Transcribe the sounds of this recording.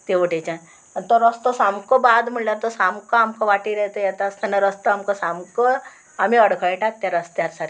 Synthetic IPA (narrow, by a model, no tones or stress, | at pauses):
t̪eʋəʈet͡ɕã | t̪ɔɾəst̪ɔsamkɔbad̪m̤əɳljaɾt̪ɔsamkɔamkɔʋaʈiɾɛt̪əjɛt̪ast̪anaɾəst̪amkɔsamkə | amiəɽkʰəjʈak̚t̪jaɾəst̪jaɾsaɾ